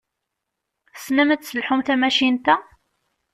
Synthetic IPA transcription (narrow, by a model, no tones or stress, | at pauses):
snəmət̪səlħumθæmæʃint̪æ